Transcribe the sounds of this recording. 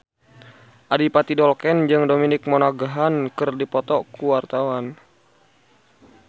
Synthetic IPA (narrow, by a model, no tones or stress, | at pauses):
ʔadipat̪idɔlkɛnd͡ʒɨŋdominɪk̚mɔnaɡaɦankɨrdipɔt̪ɔkuwart̪awan